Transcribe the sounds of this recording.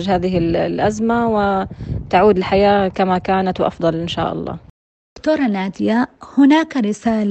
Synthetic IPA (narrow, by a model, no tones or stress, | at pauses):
d͡ʒhaːðɪɦɪllʔazmawɪt̪aʕuːd̪ɪlħajaːkamakaːnat̪wʔɑ̰fd̪ˤɑlʔɪnʃa̰ːʔɑ̰lˤːɑ̰̥ː | kt̪oːɾˤɑnaːd̪ɪjahʊnaːkɾɪsaːl